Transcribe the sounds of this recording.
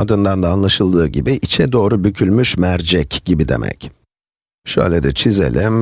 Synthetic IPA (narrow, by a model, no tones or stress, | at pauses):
ad̪ɯnd̪and̪aːnlˠaʃɯlˠd̪ɯːɟibiʔit͡ʃʰɛd̪o̞ːɾubycʰylʲmyʃmæɾd͡ʒɛcɟibid̪e̞̰mʔɛ̰c | ʃø̰jlʲed̪ɛt͡ʃʰizḛlʲim